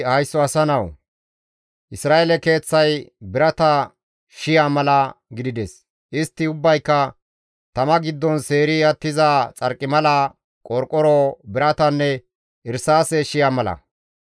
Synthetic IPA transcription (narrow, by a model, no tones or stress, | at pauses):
hɐjsːɔɐsɐnɐw | ʔɪsɾaːʔɛlɛke̞ːt͡sːɐjbɪɾɐt̪ɐ | ʃɪjaːmɐlɐɡɪd̪ɪd̪ɛs | ʔɪst̪ːɪʊbːɐjkːɐ | t̪ɐmɐɡɪd̪ːɔnse̞ːɾɪɐt̪ːɪzaːt͡sʼɐɾkʼːɪmɐlɐ | kʼɔɾkʼːɔɾobɪɾɐt̪ɐnːɛ | ɪɾsaːsɛʃɪjaːmɐlɐ̰